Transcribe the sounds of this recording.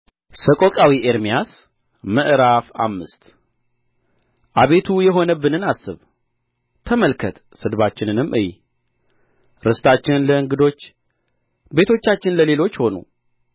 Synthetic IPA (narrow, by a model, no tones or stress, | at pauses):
səkʼo̞kʼawiʔeɾmijas | məʔɾafa̰mːɨst̪ | ʔaβe̞t̪ʰujɛɦo̞nəbːɨnɨnasːɨβ | t̪ʰəməlkʰət̪ | sɨd̪βat͡ʃːɪnɨnɨmːʔɨj | ɾɨst̪ʰat͡ʃːɪnləɨŋɡɨd̪o̞t͡ʃː | be̞t̪ʰo̞t͡ʃːat͡ʃːɪnləle̞lo̞t͡ʃːho̞nṵ